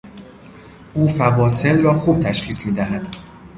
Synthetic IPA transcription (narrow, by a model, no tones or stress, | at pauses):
ʔuːfævɒːse̞lrɒːxuːb̥̚t̪ʰæʃxiːsmiːd̪æɦæd̪̥